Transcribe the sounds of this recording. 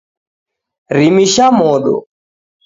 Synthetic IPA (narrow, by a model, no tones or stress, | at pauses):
ɾimiʃamoːd̪o̰